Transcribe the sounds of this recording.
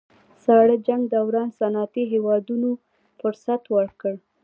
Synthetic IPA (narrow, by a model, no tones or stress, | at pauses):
sɑɽəd͡ʒaŋɡd̪awɾɑnsanɑt̪iɦewɑd̪uno | fʊɾsat̪wəɽkəɽ